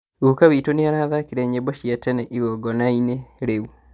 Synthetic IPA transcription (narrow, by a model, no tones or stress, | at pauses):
ɣukaβitoneaɾaðakiɾɛɲebɔʃjatɛnɛʔiɣɔɡɔnaineɾeu